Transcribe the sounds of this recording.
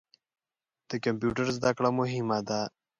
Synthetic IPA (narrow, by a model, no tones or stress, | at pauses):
d̪̥əkampjuʈəɾzd̪akɽamoɦimad̪a